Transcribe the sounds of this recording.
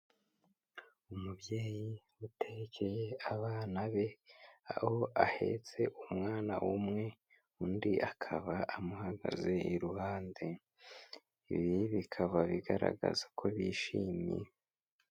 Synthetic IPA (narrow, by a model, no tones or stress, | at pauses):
umubje̞ːji | utʰeɡekʰejeaβaːnaβe̞ahoʔahe̞̰t͡se̞ʔumŋaːna̰wʔumŋe̞ | undiʔakʰaβaʔamuhaɡa̰ze̞ʔiɾuhaːnde | iβiβikʰaβaβiɡaɾa̰ɡa̰zakʰo̞βiːʃiːmjḛ